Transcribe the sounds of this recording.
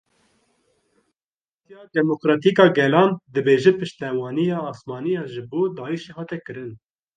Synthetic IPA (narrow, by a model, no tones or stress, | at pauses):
pʰɑɾt̪ijɑːd̪ɛmokɾɑːt̪iːkɑːɡɛlɑːnd̪ɨbeːʒɛpɨʃt̪ɛwɑːnijɑːsmɑːnijɑːʒɨboːd̪ɑːiʃeːhɑːt̪ɛkɨɾɨn